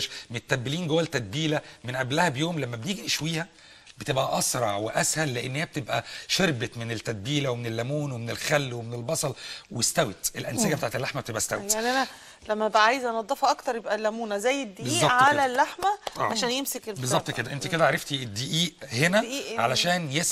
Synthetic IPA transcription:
ʃmet̪t̪ːæbːeliːnɡowːælt̪æd̪̚biːlæmenʔæblæhæbjoːmlæmːæbeniːɡiʔeʃwiːhæ | bet̪ebʔæʔɑsɾˤɑʕweʔæshælːeʔenːhehæb̚t̪ebʔæʃeɾbet̪menelt̪ːæd̪̚biːlæwemenelːæmuːnwemenelxælːwemenelbɑsˤɑlwest̪æwet̪elʔænseɡæbet̪aːʕet̪elːaħmæbet̪ebʔæst̪æwejt̪aʕnʔænæ | læmːæebʔæʕaːjzænɑd̪ˤːɑfɑʔɑkt̪ɑɾˤjebʔælːæmuːnæzæjːed̪ːiːbeziːɑʔtʕalælːaħmæʔɑ̰ːʕaʃæːnjemsekelbbezˤɑb̚t̪ˤked̪æʔent̪iked̪æʕaɾˤɑft̪ied̪ːiːʔiːʔhenæʕalæʃæːnjes

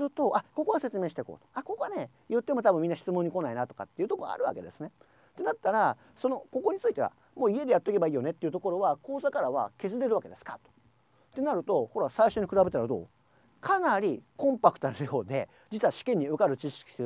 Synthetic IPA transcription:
sɨɾɯ̟t̪o̞ʔako̞ko̞ɡase̞t͡sɨmeːɕi̥t̪e̞ko̰ːt̪o̥ako̞koane̞ | jɯ̟t̪ːe̞mo̞t̪abɯ̟mʲĩnːaɕi̥t͡sɨmõɲ̟ːiko̞nainat̪o̞ka̰t̪ːeiɯ̟t̪okoɡa̰a̰ɾɯ̟βa̰ke̞d̪e̞sɨne̞ | t̪e̞nat̪ːaɾa | so̞no̞ko̞ko̞ɲ̟it͡sɨit̪e̞a̰ | mo̞ːie̞d̪ejat̪ːekebaiːjo̞ne̞t̪ːeiɯ̟t̪o̞ko̞ɾo̞βako̞ːzakaɾaβa̰ke̞zɨɾe̞ɾɯβake̞d̪e̞sɨ̥ka̰t̪o̥ | t̪e̞naɾɯ̟t̪o̞ho̞ɾasaiɕo̞ɲ̟ikɯ̟ɾabe̞t̪aɾad̪o̞̰ː | kʰanaɾʲikõmpakɯ̟̥t̪ojo̞ːd̪e̞ | d͡ʑit͡sɨβaɕi̥kẽ̞ɲ̟ːiɯ̟kaɾɯ̟t͡ɕiɕi̥kʲi̥sɨ

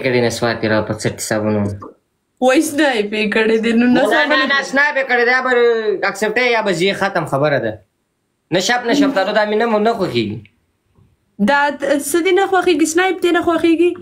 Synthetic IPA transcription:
kəɽenaswɑːɾt̪iɾapət͡səʈ̚kɪ̥sa̰buna | wajsnɑjpekəɽed̪enunaaansnɑjpekəɽed̪ajabaɾakseb̚ʈajjabazijexat̪amxabəɾad̪a | naʃapnaʃap̚t̪alod̪aːminamunaxwaxeɡi | d̪ɑsəd̪enaxwaxeɡisnɑjɪp̚d̪enaxwaxeɡi

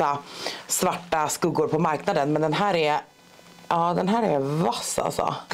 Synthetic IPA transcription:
asvaʈːaskɵɡʊɾpʰɔmaɾknad̪ənmɛnd̪ɛnɦæːɾɛɾ | ʔɑːd̪ɛnɦæːɾɛɾvasːa̰lsɔ̰

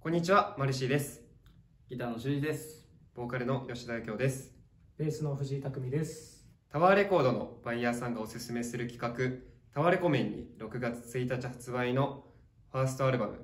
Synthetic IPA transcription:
kõ̞ɲ̟ːit͡ɕiβamaɾɯ̟ɕ̬iːd̪e̞sɨ̥ | ɡ̥ʲit̪aːno̞ɕɨːd͡ʑid̪e̞sɨ̥ | b̥o̞ːkaɾɯ̟no̞jo̞ɕid̪aikʲo̞ːd̪e̞sɨ̥ | b̥e̞ːsɨno̞ɸɯ̟ʑiit̪akɯ̟mʲid̪e̞sɨ̥t̪aβaɾe̞ko̞ːd̪o̞no̞̰b̥aijaːsãŋɡao̞sɨsɨme̞sɨɾɯ̟kʲi̥kakɯ̟ | t̪aβaɾe̞ko̞mẽ̞ɲ̟ːḭɾo̞kɯ̟ɡat͡sɨ̥t͡sɨit̪at͡ɕihat͡sɨβaino̞ | ɸaːsɨ̥t̪o̞aɾɯ̟bamɯ̟̰

